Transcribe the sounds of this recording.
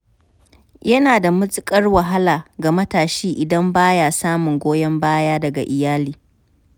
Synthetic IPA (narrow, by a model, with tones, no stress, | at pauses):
jɐ˦naː˨da˨mʊ˦sʼɪ˦kʼɐ˦rwɐ˨ɦa˦laː˨ɡa˨mɐ˦taː˨ʃiː˦ʔɪ˨dɐ˦mbaː˦jaː˨saː˦mʊ˨ŋɡʷoː˦jɐ˦mbaː˦jaː˦dɐ˨ɡa̰˨ʔɪ˨jaː˦liː˦